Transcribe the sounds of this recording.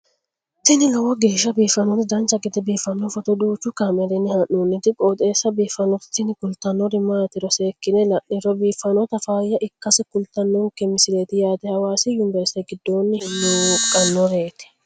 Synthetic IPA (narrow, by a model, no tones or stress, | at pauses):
t̪ɪnɪlɔwɐɡeːʃːɐbiːfɐnɔt̪ɪd̪ɐnt͡ʃːɐkʼɪt̪ɛbiːfːɐnːɔfɔt̪ɔd̪uːt͡ʃːʊkɐmɛɾɛnːɪhɐʔːuːnːɪt̪ɪkʼoːt̪ʼeːsːɐbiːfːɐnɔt̪ɪ̥t̪ɪnɪkʊlt̪ɐnːɔɾɪmaːt̪ɪɾɔseːkːɪnɛlɐʔːɪɾɔbiːfːɐnɔt̪ɐfaːjːɐʔɪkːɐsɪkʊlt̪ɐnːɔkːɛmɪsɪleːt̪ɪjaːt̪ɛhɐwaːsɪjʊnɪbɛɾst̪ɛɡɪd̪ːo̞ːnːɪhɪnːukʼɐnːɔɾeːt̪ɪ̥